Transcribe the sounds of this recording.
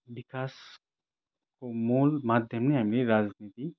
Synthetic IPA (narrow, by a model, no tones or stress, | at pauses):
ʋɪkaːs | komuːlmaːd̪ʱjəmniɦamliɾaːd͡ʒniːt̪i